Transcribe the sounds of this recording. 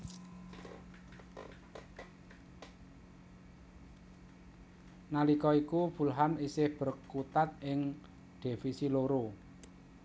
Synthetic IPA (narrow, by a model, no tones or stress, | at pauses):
nalikɔikub̥ṳlɦamisɪhb̥ə̤rkut̪at̪̚ɪŋ | d̪̥e̤fisiloɾo